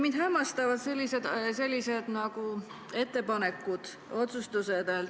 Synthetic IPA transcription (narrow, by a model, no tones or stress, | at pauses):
mind̪̥hæmːɑst̪ɑvɑd̪se̞lʲːise̞d̪se̞lʲːise̞d̪̥nɑɡu | e̞t̪ːe̞pɑne̞kːˑud̪̥ | o̞t̪sust̪used̪el